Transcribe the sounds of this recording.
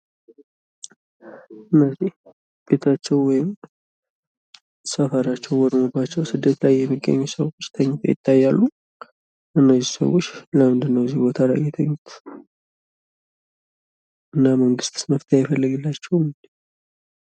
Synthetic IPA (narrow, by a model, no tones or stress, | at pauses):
ʔɨnːəzih | b̥e̞t̪ʰat͡ʃːɛwwɔjɪm | səfəɾat͡ʃːɛwwɔd̪mobat͡ʃːɛwsɨd̪ːet̪lajːɛmːiɡːə̰ɲːusəwot͡ʃːt̪ʰəɲːɪt̪ʰjɪ̰t̪ʰːajːalːu | ʔɨnːəzisə̰wot͡ʃːləmɨnd̪ɨnːəwzihbo̞t̪ʰala̰jɛt̪ʰəɲːut̪ʰ | ʔɨnːaməŋɡɨst̪sməft̪ʰejajɪfəlːəɡɨlːat͡ʃːɛwmd